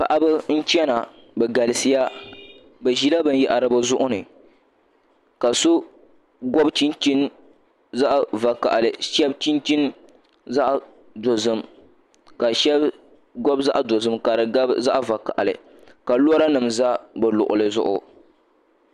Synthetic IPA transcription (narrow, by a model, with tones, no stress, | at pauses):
pa̰˨ʔa˦bɨ˦n̩˦t͡ʃɛ˦na˨ | bɛ˨ɡa˨lɨ˨si˦ja˦ | bɛ˨ʒi˦la˦bɨ˦n˦jɛ˨ʔa˨ɾɨ˦bɨ˦zʊ˦ʔʊ˦nɨ˨ | ka˨sʊ˦ | ɡɔ˦bt͡ʃi˦nt͡ʃi˦n | za˦ʔva˨ka̰˨ʔa˨lɨ˨ʃɛ˦bt͡ʃi˦nt͡ʃi˦n | za˦ʔ | do˨zɨ˦m | ka˨ʃɛ˦b | ɡɔ˦bza˦ʔdo˨zɨ˦mka˨ɾɨ˨ɡa˦bza˦ʔva˨ka̰˨ʔa˨lɨ̰˨ | ka˨lu˦ɔ˦ɾa˦nɨ˨mza˦bɨ˨lʊ̰˨ʔʊ̰˨lɨ˨zʊ̰˦ʔʊ̰˦